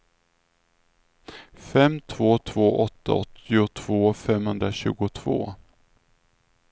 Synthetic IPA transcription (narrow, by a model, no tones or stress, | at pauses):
fɛmt̪ʰv̥oːt̪ʰv̥oːʔɔt̪ʰːa̰ɔt̪ːɪʊt̪ʰv̥oːfɛmhɵnd̪ɾaɕʉ̟ːɡʊt̪ʰv̥o̰ː